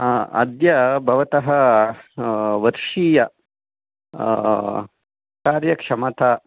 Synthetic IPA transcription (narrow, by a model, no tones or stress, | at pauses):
ɐ̰d̪jɐbʱɐʋɐt̪ɐɦɐ | ʋɐɾʂiːjɐ | kaːɾjɐkʂɐmɐt̪ʰɐ